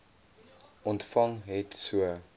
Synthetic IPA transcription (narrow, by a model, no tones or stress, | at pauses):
ʔɔntfɐŋɦɛtsuə